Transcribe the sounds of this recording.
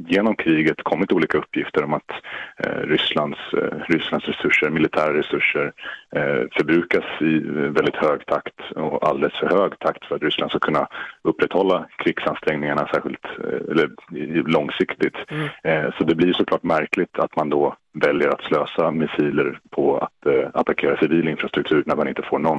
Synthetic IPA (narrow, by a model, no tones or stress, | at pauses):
jeːnɔmkʰɾiːɡət̪kʰɔmːɪt̪uːliːkaɵpʰːjɪft̪əɾɔmat̪ | ɾʏsland̪sɾʏslansɾɛsɵʂːəɾmɪlɪt̪ʰæːɾɾɛsɵʂːəɾ | fœɾbɾʉ̟ːkasɪvɛld̪ɪt̪høːɡt̪ʰakt̪ɔa̰ld̪ɛləsfœɾhøːɡt̪ʰakt̪fœɾat̪ɾʏslanskakʰɵnːaɵpːɾɛt̪hɔlːakʰɾɪɡsanst̪ɾɛŋnɪŋaɳasæːɾɧɪlt̪ɛ̰lːəɾlɔŋsɪkt̪ɪt̪ | sɔd̪ɛblɪjʂɔkʰlɑːʈmæɾklɪt̪ʰat̪mand̪ɔ | vɛljəɾat̪sløːsamɪsiːləɾpʰɔa̰t̪at̪akʰeːɾasɪviːlɪnfɾast̪ɾɵkt̪ʰʉ̟ːɾɳæɾmanɪnt̪əfoːɳɔnː